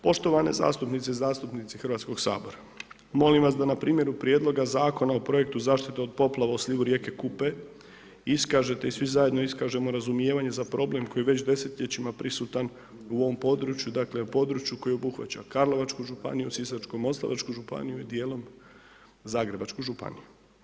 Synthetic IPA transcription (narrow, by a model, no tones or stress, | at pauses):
po̞ʃt̪o̞ʋane̞̰za̰ːst̪upnit̪seizaːst̪upnit̪sixrʋat̪sko̞ɡsa̰ːbo̞ɾa | mo̞limʋas̬d̪anapɾiːmje̞ɾupɾijed̪lˠo̞ɡazaːko̞naopɾo̞je̞k̚t̪uzaːʃt̪it̪eod̪̚po̞plˠaʋauslʲiʋuɾjeke̞kupe | iskaːʒe̞t̪e̞isʋizaje̞d̪no̞iskaʒe̞mo̞ɾazumjeːʋaɲe̞zapɾʔo̞ble̞mko̞jiʋe̞t͡ɕd̪e̞se̞t̪ʎʲet͡ɕimapɾisut̪an | uo̞ʋo̞mpo̞d̪ɾut͡ʃjud̪akle̞po̞d̪ɾut͡ʃjuko̞jobuxʋa̰t͡ɕa̰kaɾlˠo̞ʋat͡ʃkuʒupa̰nijusisat͡ʃkomo̞slˠa̰ʋat͡ʃkuʒupa̰nijuid̪je̞ːlˠo̞m | zaːɡɾe̞bat͡ʃkuʒupa̰nije